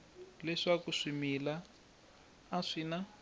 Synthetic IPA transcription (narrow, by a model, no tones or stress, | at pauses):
lɛʂakuʂimila | ʂiːna